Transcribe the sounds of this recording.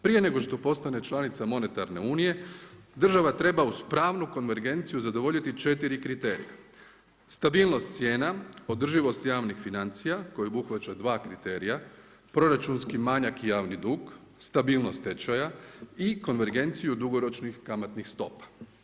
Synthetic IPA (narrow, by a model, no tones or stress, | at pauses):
pɾije̞ne̞ɡo̞ʃt̪o̞po̞st̪ane̞t͡ʃlˠanit̪samo̞ne̞t̪aɾne̞̰uːnije̞d̪r̩ʒaʋat̪ɾe̞bauspɾaːʋnuko̞nʋe̞ɾɡe̞nt̪sijuzad̪o̞ʋo̞ʎit̪it͡ʃe̞t̪iɾikɾit̪e̞ːɾḭja̰ | st̪abiːlˠno̞st̪sʲje̞ːnao̞d̪r̩ʒiʋo̞st̪jaːʋnixfinant̪sijako̞jobuxʋat͡ɕad̪ʋaːkɾit̪e̞ːɾija | pɾo̞ɾat͡ʃunskimaɲakijaːʋnid̪uːɡ | st̪abiːlˠno̞st̪ːe̞t͡ʃajaiko̞nʋe̞ɾɡe̞nt̪sijud̪uɡo̞ɾo̞t͡ʃnixkamat̪nixst̪o̞pḁ